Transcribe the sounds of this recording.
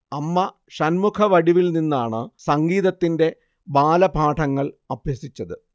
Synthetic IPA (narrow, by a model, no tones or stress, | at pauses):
ɐmːɐ | ɕɐnmukʰɐʋɐɽiʋilninːaːɳɨsɐŋɡiːðɐt̪ːinde̞ | baːlɐbʱaːʈʰɐŋːɐɭɐbjɐsit͡ɕːɐðɨ